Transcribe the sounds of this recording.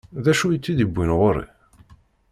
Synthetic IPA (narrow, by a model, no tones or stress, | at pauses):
ðæʃujət͡sːiðibʷːinʁoɾˤḭ